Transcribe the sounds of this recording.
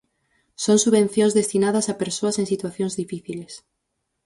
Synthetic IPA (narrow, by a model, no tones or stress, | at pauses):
soŋsuβẽn̟θjõŋzðest̪inaðɐsapeɾsoɐseŋsit̪waθjõŋzðifiθiles